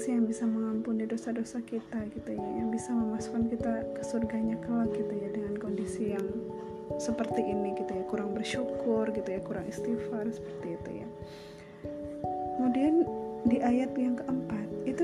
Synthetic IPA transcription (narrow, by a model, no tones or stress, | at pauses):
sijaŋbisaməŋampʊndidosadosakit̪aɡit̪ujajabisaməmasu̥kankit̪akə̥surɡaɲakəlaɡit̪ujadəŋankondisijaŋ | səpərt̪iʔiniɡit̪ujakuɾaŋbərʃukʊrɡit̪ujakuɾaŋist̪ifarsə̥pərt̪iːt̪ṵja̰ | kəmudiandiʔajat̪jaŋkəʔəmpat̪̚it̪u